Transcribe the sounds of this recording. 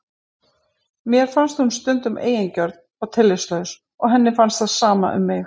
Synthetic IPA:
mjɛɾ̥fanst̪hunst̪ʏnt̪ʏmʔḛːjɪncœɾt̪nɔɣt̪ʰɪlːɪst̪lœːɥs | ɔɣɦɛnːɪfanst̪θaðsaːma̰ʔʏ̰mːɪx

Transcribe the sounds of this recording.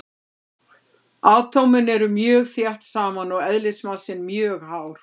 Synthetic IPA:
aðt̪ʰowmɪnɛɾʏmjœːɣθjɛht̪saːmanɔɣɛðlɪsmawsɪnmjœːɣɦaːwɾ̥

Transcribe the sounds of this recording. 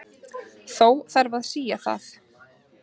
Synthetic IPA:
θowθaɾvaðsiːjaθa̰θ

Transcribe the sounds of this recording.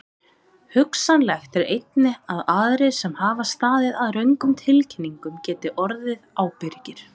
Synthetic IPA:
hʏksanlɛxt̪ɛɾejt̪nɪaðaðɾɪ̥sɛmhaːvast̪aːðɪðaðrœɥŋkʏmt̪ʰɪlcʰɪnːiŋkʏmcɛːt̪ɪʔɔɾðɪðaːwpɪɾcɪɾ̥

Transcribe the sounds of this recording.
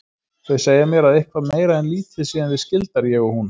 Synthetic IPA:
θœjseːjamjɛɾaðehkvaɾðmeːjɾaðɛnliːt̪ɪsiːðanvɪðscɪlt̪aɾjɛɣɔhun

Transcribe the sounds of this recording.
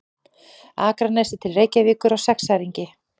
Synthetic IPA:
aːkɾanɛsɪt̪ʰɪlreːjcaviːkʏɾawsɛksajɾiɲcɪ

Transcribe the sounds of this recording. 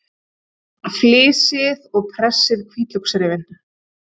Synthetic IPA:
flɪːsɪðɔɣpʰɾɛsːɪðkʰviːt̪luksɾɪːvɪn

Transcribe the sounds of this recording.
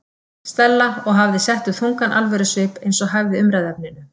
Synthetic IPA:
st̪ɛlːaɔɣɦavðɪsɛht̪ʏθuŋkanʔa̰lvœɾʏsvɪːpejnsɔɣɦajvðɪʏmɾajðɛp̚nɪnʏ

